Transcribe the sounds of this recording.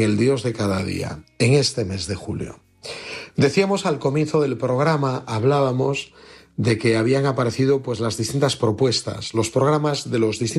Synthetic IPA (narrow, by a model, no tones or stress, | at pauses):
ŋeld̪jo̞zðe̞kaðaðḭa̰eŋe̞st̪e̞me̞zðe̞xuljo̰ | d̪e̞θiamo̞salko̞mje̞nθo̞ðe̞lpɾo̞ɣ̞ɾamaaβlaβamo̞z | d̪e̞ke̞aβ̞iaŋapaɾe̞θiðo̞pwe̞zlazðist̪int̪aspɾo̞pwe̞st̪a̰slo̞spɾo̞ɣ̞ɾamazðe̞lo̞zðist̪i